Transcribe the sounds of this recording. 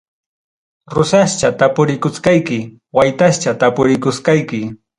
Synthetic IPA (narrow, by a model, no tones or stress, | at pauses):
ɾʊsaʃt͡ʃat̪apʊɾɪkʊskɑjkɪ | wajt̪aʃt͡ʃat̪apʊɾɪkʊskɑjkɪ